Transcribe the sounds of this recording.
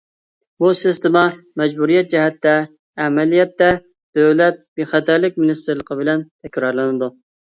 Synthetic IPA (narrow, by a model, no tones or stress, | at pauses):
busɪst̪ɪmɑmɛd͡ʒbuɾijɛt̪̚d͡ʒɛɦɛt̪ːɛː | mɛlijɛt̪ːɛ | d̪̥øwlɛt̪̚beχæt̪ʰæɾlɪk̚ʲmɪnist̪ʰɪɾlˠəqʰəbɪlɛnt̪ʰɛkʲɾɑɾlˠɨnɨd̪u